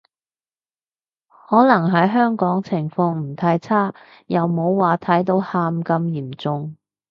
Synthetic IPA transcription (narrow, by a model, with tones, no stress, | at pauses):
hɔː˨˥nɐ˨˩ŋɦɐ˨˥jɦœː˥ŋkɔː˨˥ŋt͡sʰɪ˨˩ŋfɔ˧ŋm̩˨˩t̪ʰaː˧jt͡sʰaː˥ | jɐ˨wmo˨˧wːaː˨˧t̪ʰɐ˨˥jt̪o˨˥whaː˧mkɐ˧mjiː˨˩mt͡sʊ˨˧ŋ